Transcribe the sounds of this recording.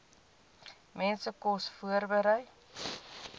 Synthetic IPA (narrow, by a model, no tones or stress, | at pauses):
mɛnsəkɔsfuərbəɾəj